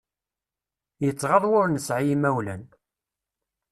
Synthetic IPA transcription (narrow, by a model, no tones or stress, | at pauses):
jət͡sːʁɑðˤwʊɾnəsʕijimæwlæn